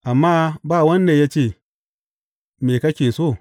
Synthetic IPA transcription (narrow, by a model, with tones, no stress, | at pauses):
a˨mːa˦ba˦˨wɐ˦nːe˨ja˦t͡ʃe˦˨ | me˨ka˦kʲe˨so˦˨